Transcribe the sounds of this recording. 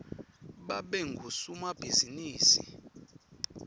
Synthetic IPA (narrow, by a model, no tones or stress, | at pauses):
ɓaɓɛŋɡʱusumab̥ʱiziniːsḭ